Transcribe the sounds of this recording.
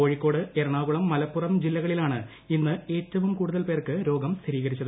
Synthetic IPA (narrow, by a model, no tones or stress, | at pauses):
o̞ːɻikːo̞ːɽɨe̞ɾɐɳaːɣuɭɐmːɐlɐpːurɐmd͡ʑilːɐɣɐɭilaːɳɨ | inːɨe̞ːtːɐʋumkuːɽuðɐlpe̞ːrkɨɾo̞ːɡɐmsiɾiːɣɐɾit͡ɕːɐðɨ